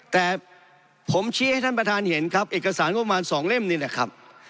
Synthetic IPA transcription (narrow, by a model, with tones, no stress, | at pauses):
t̪ɛː˨˩ | pʰo˩˦mt͡ɕʰiː˦˥˦ha˥˩j̪ʰa˥˩npɾa˧t̪ʰaː˧nhe˩˦nkʰa˦˥p̚ʔeː˨˩kːa˧saː˩˦nŋɔ˥pːa˧maː˧nsɔː˩˦ŋle˥˩mniː˦˥˩lɛ˧˩kʰɾa̰˦˥p̚